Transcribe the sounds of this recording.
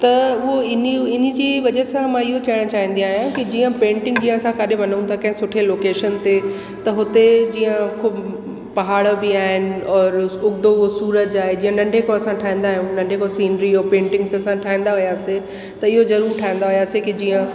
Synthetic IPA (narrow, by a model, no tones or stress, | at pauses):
t̪ɐʊɦoɪniɪn̤id͡ʑiʋɐd͡ʑəsãmãɪɦot͡ɕaːɪɽ̃t͡ɕaːɦĩn̆d̪iaːɦjãkid͡ʑiːə̃pẽːɳʈɪ̃ŋɡd͡ʑĩːə̃ɐsãkaɗɪʋɐn̤əũt̪ʰakɐ̃ɦɪ̃sʊʈʰeloːkeːʃənt̪e | t̪ɐɦʊt̪ed͡ʑĩːə̃kʰʊb | pɐɦaːɽbiaːɦɪnɪ̆ɔːɾʊɡd̪osuːɾəd͡ʑaːɦed͡ʑĩːə̃nɐ̃ɳɖʱekoɐsãʈʰaːɦĩːn̆d̪aːɦijũnɐ̃ɳɖʱekosiːnɾiɔːɾpẽːɳʈɪ̃ŋɡsɐsãʈʰaːɦĩn̆d̪aɦʊjaːse | t̪ɐɪɦozɐɾuːɾʈʰaːɦĩn̆d̪aɦʊjaːsekid͡ʑiːə̃